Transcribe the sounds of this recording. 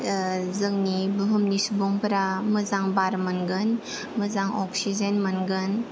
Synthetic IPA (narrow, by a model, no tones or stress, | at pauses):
zɯŋnibuɦumnisubɔŋpəɾamɯzaŋbaɾmənɡɯn | məzaŋɔksizenmənɡən